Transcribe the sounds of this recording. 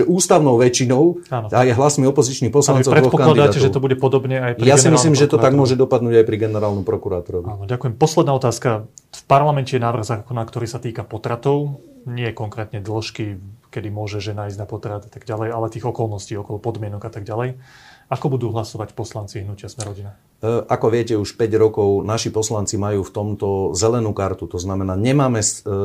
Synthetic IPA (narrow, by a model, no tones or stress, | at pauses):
ʒɛʔuːst̪aʊnɔʊʋɛt͡ʃinɔʊ | aːnɔajɛɦlasmiɔpɔzit͡ʃnipɔslant͡saɾɛɔpɔkanladid̪aːaɛʒɛt̪ɔbuɟɛpɔd̪ɔbɲɛajpɾjiaɛnimislslimʒɛt̪ɔaaɡmʊɔʒɛd̪ɔpad̪nuːɟajpɾiɡɛnɛɾaːlnɔmpɾɔkuɾaːt̪ɔɾɔʋiaːnɔɟakujɛmpɔslɛd̪naːɔt̪aːskafpaɾlamɛncɛjɛnaːʋr̩ɣzaːkɔnaːkt̪ɔɾiːsat̪iːkapɔt̪ɾat̪ɔʊɲɪɛkɔŋkɾɛːt̪ɲɛd̪l̩ʃkikɛd̪imʊɔʒɛʒɛnaːjzɟnapɔt̪ɾat̪at̪aɡɟalɛjalɛt̪iːɣɔkɔlˠnɔsciːɔkɔlˠɔpɔd̪mɪɛnɔɡat̪aɡɟalɛjakɔbud̪uːɦlasɔʋacpɔslant͡siɦnucɪasmɛɾɔɟina | ʔakɔʋɪɛcɛuʃpɛɟɾɔkɔʊnaʃipɔslant͡simajuːft̪ɔmt̪ɔzɛlɛnuːkaɾt̪ut̪ɔznamɛnaːɲɛmaːmɛs